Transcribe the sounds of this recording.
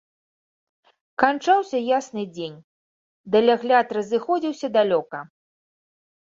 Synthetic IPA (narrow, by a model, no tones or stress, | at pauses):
kant͡ʂawsʲɐjasnɨd͡zʲenʲ | d̪ɐlʲaɣlʲat̪rɐzɨxɔd͡zʲiwsʲɐd̪alʲɔkɐ